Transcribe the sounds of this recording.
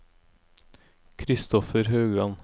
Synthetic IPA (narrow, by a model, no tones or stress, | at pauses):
kʰɾɪst̪ɔfəɾɦøːɡɑn